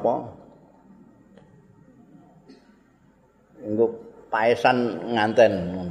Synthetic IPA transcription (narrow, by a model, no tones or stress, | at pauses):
pɔ | iŋɡopaesanŋant̪ɛnu